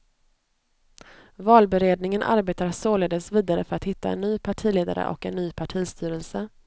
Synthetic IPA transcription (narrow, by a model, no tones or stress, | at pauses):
vɑːlbɛɾeːd̪nɪŋənʔa̰ɾbeːt̪aɾasoːleːd̪əsviːd̪aɾəfœɾat̪hɪt̪ʰːa̰ɛ̰nːyːpʰaʈʰiːleːd̪a̰ɾə̰ʔɔ̰kɛnːyːpʰaʈʰiːst̪ʰyːɾɛlsə